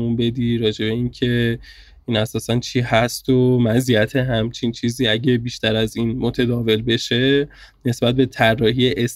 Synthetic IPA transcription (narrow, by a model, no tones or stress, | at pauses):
unbe̞d̪iːɾɒːd͡ʒe̞be̞incʰe̞ | iːnæsɒːsænt͡ʃʰiːhæst̪omæziæt̪ʰeɦæmt͡ʃʰint͡ʃʰiːziːæɟe̞biːʃt̪æɾæziːnmo̞t̪ʰæd̪ɒːve̞lbe̞ʃe̞ | ne̞sbæt̪̚be̞t̪ʰærːɒːɦiːjeʔes